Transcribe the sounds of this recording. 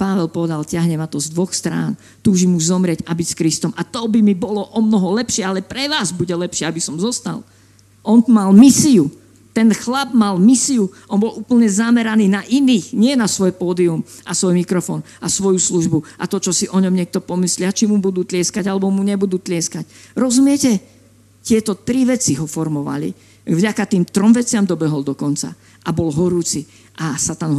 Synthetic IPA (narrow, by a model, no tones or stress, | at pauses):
paʋɛlpɔʋɛd̪alcɪaɦɲɛmat̪ɔzd̪ʋɔxst̪ɾa̰ːn | t̪uːʒimuzɔmɾɪɛɟabicskɾist̪ɔmʔat̪ɔbimibɔlɔʔɔmnɔɦɔlɛpʃɪɛalɛpɾɛʋaːzbuɟɛlɛpʃɪɛabisɔmzɔst̪a̰l | ʔɔnt̪malmisiu | t̪ɛnxlab̚malmisiuʔɔnbɔlʔuːpl̩ɲɛzamɛɾaniːnaʔiniːxɲɪɛnasʋɔjpɔːd̪iumʔasʋɔjmikɾɔfɔːn | asʋɔjusluʒbuʔat̪ɔt͡ʃɔsiʔɔɲɔmɲɪɛk̚t̪ɔpɔmislɪat͡ʃimubud̪uːt̪lɪɛskaɟalɛbɔmuɲɛbud̪uːt̪lɪɛskacɾɔzumɪɛcɛ | tɪɛt̪ɔt̪ɾiʋɛt͡siɦɔfɔɾmɔʋa̰lḭ | vɟakat̪iːmt̪ɾɔmʋɛt͡sɪamd̪ɔbɛɦɔld̪ɔkɔnt͡sa̰ | ʔabɔlɦɔɾuːt͡si | ʔasat̪anɦ